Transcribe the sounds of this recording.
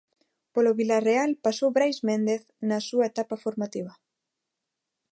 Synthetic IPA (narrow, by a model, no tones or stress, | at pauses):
poloβilarealpasowβɾajzmẽnd̪eθ | nɐsuaet̪apafoɾmat̪iβ̞ɐ